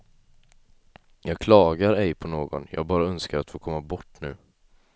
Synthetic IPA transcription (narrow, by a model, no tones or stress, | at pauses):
jɑːɡ̚kʰlɑːɡaɾɛjpʰɔnoːɡɔ̰njɑ̰ːɡ̚bɑːɾaœnskaɾat̪foːkʰɔmːabɔʈːnʉ̟̰ː